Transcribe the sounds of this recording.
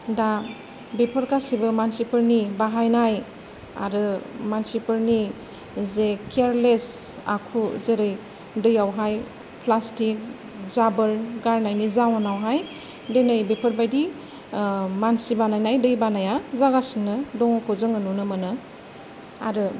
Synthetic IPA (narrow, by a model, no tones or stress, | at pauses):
da | bepʰəɾkasibɯmansipʰəɾnibaɦajnaj | a̰ɾɯmansipɯɾni | zekʰeɾles | a̰kʰuzeɾɯj | dɯjawɦaj | pʰlastik̚ | zabɯɾɡaɾnajnizawanawɦaj | denɯjbepʰəɾbajdi | mansibanajnajdɯjbanajazaɡasiŋnɯdɔŋɔkʰɔzɯŋɯnunɯmanɯ | a̰ɾɯ